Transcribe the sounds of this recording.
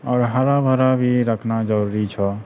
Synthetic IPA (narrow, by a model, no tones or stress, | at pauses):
ɔːɾɦaɾabʱəɾabʱiɾəkʰnad͡ʒəɾuɾit͡ʃʰɔ